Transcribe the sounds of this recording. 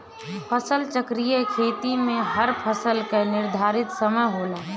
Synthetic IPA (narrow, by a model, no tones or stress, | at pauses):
pʰəsəlt͡ʃəkɾijəkʰeːt̪imẽɦɐɾpʰəsəlkenɪɾd̪ʱaːɾɪt̪səməjɦoːlaː